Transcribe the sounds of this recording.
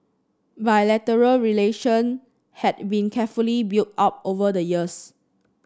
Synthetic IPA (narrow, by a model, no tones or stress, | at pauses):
bajlɛtəɹəlɹileʃə̃n | hɛt̚bĩnkʰɛfulibiltap̚ovədəjiəs